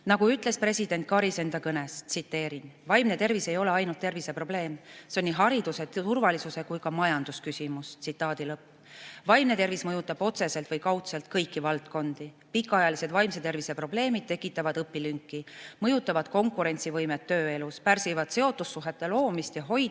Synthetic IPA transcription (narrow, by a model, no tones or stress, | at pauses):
nɑɡ̥uyt̪ːˑle̞spre̞sʲid̪e̞nt̪̚kɑɾise̞nd̪ɑkɤne̞st̪sit̪ːe̞ːɾinvɑjmne̞t̪e̞rvise̞jo̞le̞ɑjnult̪ːe̞rvise̞pro̞ble̞ːmseo̞nʲːiɦɑɾid̪̥use̞t̪t̪urvɑlisuse̞kujkɑmɑjɑnd̪uskysʲimust̪sit̪ːˑɑːd̪̥ilɤpː | vɑjmne̞t̪e̞rvismɤjut̪ːˑɑb̥o̞t̪se̞se̞lt̪vɤjkɑwt̪selt̪̚kɤjkːˑivɑlt̪ko̞nd̪̥i | pikːˑɑɑjɑlise̞d̪̥vɑjmse̞t̪e̞rvise̞pro̞ble̞ːmid̪̥̚t̪e̞kːˑit̪ːˑɑvɑd̪ɤpːilyŋkːˑimɤjut̪ːˑɑvɑd̪̥̚ko̞ŋkuɾe̞nt̪sivɤjmet̪ːø̞ːe̞luspærsivɑd̪̥se̞o̞t̪ːˑusːuɦe̞t̪ːe̞lo̞ːmist̪jɑɦo̞j